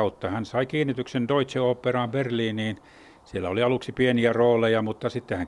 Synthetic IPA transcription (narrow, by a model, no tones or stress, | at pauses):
ut̪ːɑhænsɑikiːnːit̪yksend̪oit̪seoːpːerɑːmberliːniːn | sielːæoliɑluksipieniæroːlejɑmut̪ːɑsit̪ːehæŋ